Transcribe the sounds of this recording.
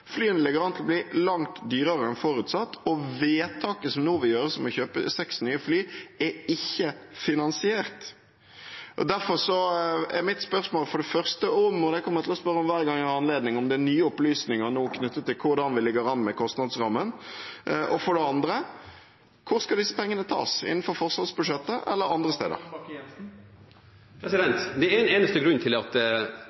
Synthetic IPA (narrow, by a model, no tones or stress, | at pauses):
flyːənəlɪɡəɾɑnt̪ʰlɔbliːlɑŋt̪d̪yːɾəɾəɛnfɔɾʉt̪sɑt̪ːɔʋeːt̪ʰɑːkəsɔmnuːʋɪjøːɾəsɔmɔçøːpə̰sɛksnyːəflyːɛɪçːəfɪnɑnsɪeːɾt̪ | ʔɔ̰d̪æɾfɔɾsɔɛɾmɪt̪spœɾsmoːlfɔɖɛfœɾst̪əɔmɔd̪ɛkʰɔmːəɾt̪ʰɪlɔspœɾːəɔmʋæːɾɡɑŋɛɑnleːd̪nɪŋɔmd̪ɛnyːəʊplyːsnɪŋəʁnoːkʰnʉt̪ːət̪ʰːɪlkʰʊɾɖ̪ɑnʋɪlɪɡəɾɑnːmɛkʰɔst̪nɑd̪sʁɑmːən | ʔɔfɔɖɛɑnd̪ɾə | kʰʊɾskɑd̪ɪsːəpʰɛŋːənət̪ʰɑ̰ːsɪ̰nn̩fɔɾfɔʁsʋɑd̪sbʉʂɛt̪ːəʔɛ̰lːəɾɑnd̪ɾəst̪ḛːd̪ə̰ɾ | pɾɛsɪd̪ɛnt̪d̪ɛɛneːnəst̪əɡɾʉnːt̪ʰɪlɑt̪